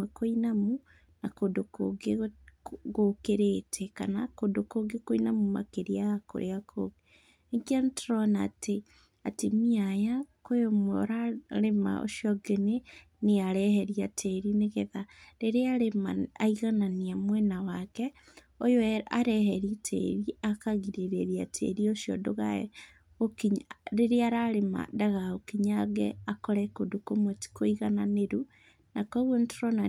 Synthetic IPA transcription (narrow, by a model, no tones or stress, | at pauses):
wɛkoinamu | nakondoko̰ɡe | ɣokeɾetʰɛka̰nakodokoɡekoinamuma̰keɾiaako̰ɾʔeakʰo̰ɡe | eŋɡiantɾɔnatʰe | atimiajakoomwɛoɾaɾema̰o̰ʃiɔɡene | neaɾɛhɛɾiatʰɛɾineɣeðaɾeɾeaɾemaaiɣananiamwɛnawakɛ | ojoaɾɛhɛɾitʰɛ̰ɾiakaɣiɾeɾeɾiatʰɛ̰ɾioʃiɔ̰doɣa̰ɛ̰ | okiɲɾeɾeaɾaɾema̰daɣaokiɲaɡɛ̰akɔɾɛkodukomoti̥koiɣananeɾu | nakɔɣwontoɾɔna